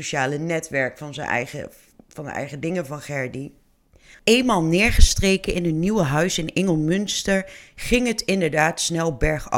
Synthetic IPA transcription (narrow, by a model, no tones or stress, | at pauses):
oʃaːlənɛtʋɛɹkfɑnzə̰nɛ̰jə̰ | vɑndə̰ɛ̰jχədɪŋəvɑnχɛɹdi | eːjnmaːlˠnɪːɹχəstrejkənɪnɦətniwəɦœɥsɪnɪŋəlˠmɵnstəɹχɪŋɦətɪndəɹdaːtsnɛlˠbɛɹχɑ̰